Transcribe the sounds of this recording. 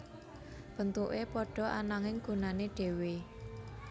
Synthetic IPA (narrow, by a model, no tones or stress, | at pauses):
b̥ə̤nt̪uʔepɔɖ̥ɔ̤ʔanaŋɪŋɡ̥ṳnaneɖ̥e̤we